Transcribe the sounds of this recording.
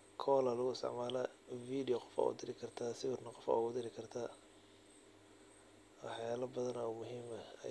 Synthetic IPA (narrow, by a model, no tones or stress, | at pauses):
kʰɔːlɐlʊɣʊɪst̪ɪ̰ʕmaːlɐfiːdɪjɔqɔ̥fa̰ʊ̰d̪ɪɾɪkʰɐrt̪ʰaːsɪwɪrnɐqɔfa̰ɣʊd̪ɪɾɪkʰɐrt̪ʰa | wɑħjaːlɐbɐðɐnɐʊmʊɦiːmɐ̰